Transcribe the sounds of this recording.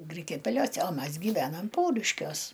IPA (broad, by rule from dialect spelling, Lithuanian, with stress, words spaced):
ˈɡrʲɪkʲɛpʲɛlʲoːsʲɛ oː ˈmɐs ɡʲiːˈʋʲæːnɐm ˈpɐʊrʲɪʃʲkʲuɔs